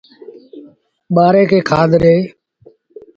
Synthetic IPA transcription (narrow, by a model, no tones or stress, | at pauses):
ɓaːɾeːkʰeːkʰaːd̪ʱɾeː